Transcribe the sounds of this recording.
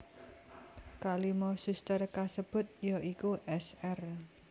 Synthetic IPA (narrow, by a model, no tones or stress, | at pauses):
kalimɔsust̪ərkasəb̥ʊ̤t̪̚jɔʔikuʔɛsɛr